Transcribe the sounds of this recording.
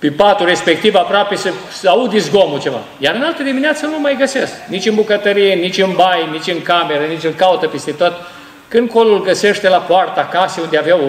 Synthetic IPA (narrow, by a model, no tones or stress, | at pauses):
pipat̪ure̞spek̚t̪ivapɾoape̞sə | saud̪izɡomut͡ʃe̞va̰ | jaɾɨnalt̪əd̪imineat̪sənumajɡəse̞sknit͡ʃʲɨnbukət̪əɾijenit͡ʃʲɨnbajnit͡ʃʲɨŋkame̞ɾənit͡ʃʲɨŋkaut̪əpest̪e̞t̪ot̪ | kɨnd̪̚ko̞lulɡəseʃt̪e̞lapoart̪akaseund̪eaveaw